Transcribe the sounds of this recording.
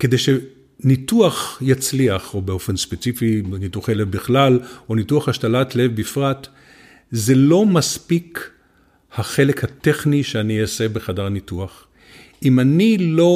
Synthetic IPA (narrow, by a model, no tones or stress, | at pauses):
ke̞de̞jʃe | nituaχjat͡sliaχobeo̞fenspet͡sifinituaχelevbiχlalonituaχhaʃtalatlevbifʁat | ze̞lo̞maspik | haχe̞lekhateχniʃeanijasebeχadaʁnituaχ | imanilo̞